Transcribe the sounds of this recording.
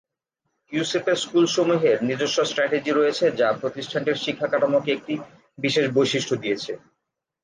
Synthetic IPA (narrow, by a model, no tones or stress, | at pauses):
jusepeɾskulʃomuɦeɾnid͡ʑoʃːosʈɾɛʈed͡ʑiɾojet͡ɕʰed͡ʑapɾot̪iʃʈʰaɳʈeɾʃikʰːakaʈamokeek̚ʈi | biʃeʃbojʃiʃʈʰod̪ijet͡ɕʰe